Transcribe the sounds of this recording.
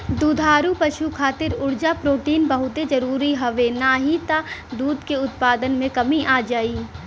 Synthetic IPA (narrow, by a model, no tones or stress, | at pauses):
d̪uːd̪ʱaːɾupɐʃukʰaːt̪ɪɾʊɾd͡ʒapɾoːʈiːnbɐɦʊt̪ed͡ʒɐɾuːɾiɦɐʋenaɦit̪ad̪uːd̪ʱkeʊt̪̚paːd̪ənmẽkɐmiʔaːd͡ʒaːiː